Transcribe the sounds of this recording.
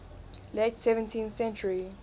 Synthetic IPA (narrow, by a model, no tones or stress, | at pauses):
letsɛvə̃ntʰĩnθsɛ̃nt͡ʃəɹi